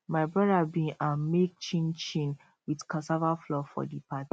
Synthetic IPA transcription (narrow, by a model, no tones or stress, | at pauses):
maɪbɹadabĩãmek̚t͡ʃĩnt͡ʃĩn | widkasavaflɔfɔ̰dipat